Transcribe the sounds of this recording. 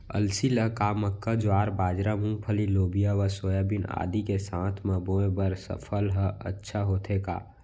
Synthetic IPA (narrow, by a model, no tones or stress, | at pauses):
ə̰lsiləkaməkːad͡ʒoaːɾbaːd͡ʒɾamũŋpʰəliloːbijaʋəsoːjabina̰ːd̪ikesãːt̪ʰmẽboːẽbəɾsə̰pʰəlɦəə̰tːʃʰaɦoːt̪ʰeka̰ː